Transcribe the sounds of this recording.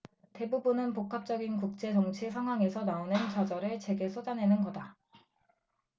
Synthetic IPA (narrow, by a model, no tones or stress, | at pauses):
te̞bubunɯnpokʰap̚t͡ɕ͈ʌɡinkuk̚t͡ɕ͈e̞t͡ɕʌŋt͡ɕʰisʰaŋɦwaŋe̞sʰʌnaonɯnt͡ɕad͡ʑʌɾɯɭt͡ɕe̞ɡe̞s͈ʰod͡ʑanenɯnɡʌda